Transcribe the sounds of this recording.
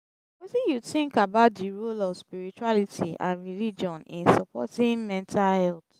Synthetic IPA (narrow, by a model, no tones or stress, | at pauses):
wesijuθĩŋkabaʊtdiɹulɔvspiɹit͡ʃualitʰiʔã̰nɹilid͡ʒɔ̃nḭ̃nsɔpɔ̰tĩŋmɛ̃ntʰalhɛlt